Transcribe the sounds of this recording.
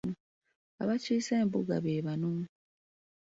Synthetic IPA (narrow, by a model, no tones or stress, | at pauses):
u | a̰βaciːse̞ːmbuɡa̰βeːβanom